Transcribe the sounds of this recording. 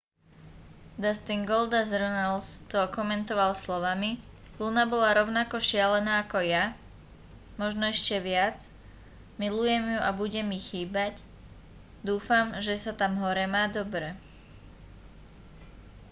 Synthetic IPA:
d̪ast̪iŋɡɔld̪azɾɔnalst̪ɔkɔmɛnt̪ɔʋalslɔʋami | lunabɔlaɾɔʊnakɔʃɪalɛnaːakɔja | mɔʒnɔɛʃcɛʋɪad͡z | milujɛmjuʔabuɟɛmixiːbac | d̪uːfamʒɛsat̪amɦɔɾɛmaːd̪ɔbɾɛ

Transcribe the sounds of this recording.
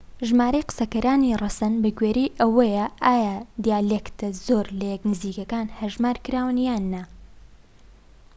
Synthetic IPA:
ʒmaːɾɐjqɨ̥sɐkɐɾaːnirˤɐsɐnbɐɡɥeːɾijʔɐwɐjɐʔaːjad̪ijaːlekt̪ɐzoːɾlɐjɛknɨziːkɐkaːnhɐɾʒmaːɾkɨɾaːwɨnjaːnːɐ

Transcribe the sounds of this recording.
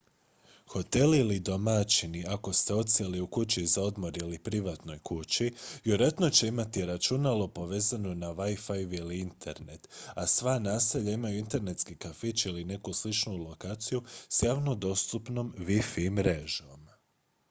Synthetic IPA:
xo̞t̪e̞lilid̪o̞mat͡ʃiniako̞st̪e̞o̞t̪seliukut͡ɕizao̞d̪mo̞ɾilipɾiʋat̪no̞jkut͡ɕijoɾet̪no̞t͡ɕe̞imat̪iɾat͡ʃunalˠo̞po̞ʋe̞ːzano̞naʋajfajʋiliint̪ʰe̞ɾne̞t̪asʋanaːseʎaimajuint̪e̞ɾne̞t̪skikafit͡ʃiline̞kuslit͡ʃnulo̞kaːt̪sijusjaːʋno̞d̪o̞st̪upno̞mʋifimɾeʒo̞m

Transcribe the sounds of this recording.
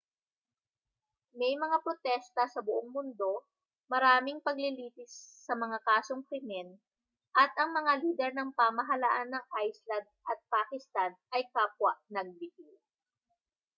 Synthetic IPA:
mɛjmɐŋapɾot̪ɛst̪ɐsɐbʊʔoŋmʊnd̪o̞ | mɐɾaːmɪŋpɐɡlɪliːpɪsːɐmɐŋakaːso̞ŋkɾɪmɛn | ʔɐt̪ɐŋmɐŋaliːd̪ɛɾnɐŋpaːmɐɦɐlɐʔanːɐŋʔajslɐnd̪̚ʔɐt̪̚paːkɪst̪anɐjkaːpwaʔnɐɡ̚lɪkɪ

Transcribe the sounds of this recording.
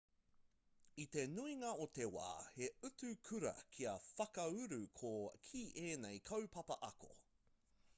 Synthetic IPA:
it̪e̞nuiŋɐot̪e̞wa̰ːheʉtʉkʰʉɾɐ̰kʰiɐfɐkɐʉɾʉkʰokʰiːʔeːnejkʰɐwpʰɐpɐʔɐko̰

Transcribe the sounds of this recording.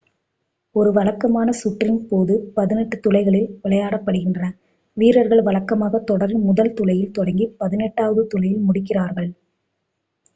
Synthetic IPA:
ɔɾɯʋɐɭɐkːɐmaːnɐsʊʈːrɪnpoːðɯpɐðɪnɛʈːɯt̪ʊlɐɪɣɐɭɪlʋɪɭɐjaːɽɐpːɐɽɯɣɪndrɐnɐ | ʋiːɾɐɾɣɐɭʋɐɭɐkːɐmaːɣɐt̪ːɔɽɐɾmʊðɐlt̪ʊlɐjɪlt̪ɔɽɐŋɡipɐðɪnɛʈːaːʋɐðɯt̪ʊlɐjɪlmʊɽɪkːɪraːɾɣɐɭ

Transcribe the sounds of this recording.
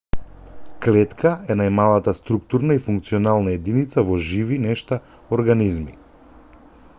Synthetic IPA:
klɛt̪kʰaɛnajmalˠat̪ast̪ɾuk̚t̪uɾnaifuŋk̚t̪siɔnalˠnaɛd̪init̪savɔʒivinɛʃt̪a | ɔɾɡanizmi

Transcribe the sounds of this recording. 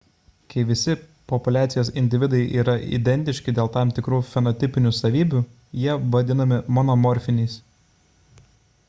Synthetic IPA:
kɐɪʋʲɪsʲɪpɔpʊlʲæːt̪sʲɪjoːsɪnʲd̪ʲɪʋʲɪd̪ɐɪʔiːɾɐʔḭd̪ʲɛnʲt̪ʲɪʃʲkʲɪd̪ʲeːlˠt̪ɑˑmt̪ʲɪkɾuːfʲɛnɔt̪ʲɪpʲɪnʲuːsɐʋʲiːbʲu | jiɛʋɐd̪ʲɪnɐmʲɪmɔnɔmɔɾʲfʲɪnʲiːs

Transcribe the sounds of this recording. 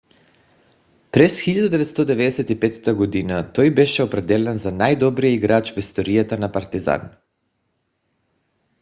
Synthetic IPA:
pɾɛsxilʎad̪ud̪ɛvɛt̪st̪ɔd̪ɛvɛd̪ɛsɛt̪ipɛt̪t̪aɡɔd̪inat̪ɔjbɛʃɛopɾɛd̪ɛlɛnzanajd̪ɔbɾijɛiɡɾat͡ʃvist̪ɔɾijat̪anapaɾt̪iza̰n

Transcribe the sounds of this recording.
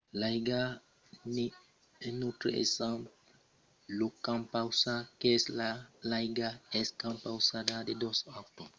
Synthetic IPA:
lajɡa | ni | nutɾḛʔḛsamp | lukampawsakeeslalajɡaeskampawsadadedosak̚to

